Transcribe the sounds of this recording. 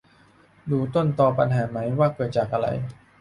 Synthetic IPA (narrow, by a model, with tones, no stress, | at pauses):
duː˧t̪o˥˩nt̪ɔː˧pa˧nɦaː˩˦ma˦˥jwaː˥˩kɤː˨˩t̪̚t͡ɕaː˨˩k̚ʔa˧ɾa̰˧j